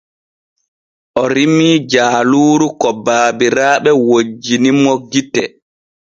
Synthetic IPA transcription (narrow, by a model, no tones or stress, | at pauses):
ʔɔɾimiːd͡ʒaːluːɾukɔbaːbiɾaːɓɛwod͡ʒːinimːɔɡitɛ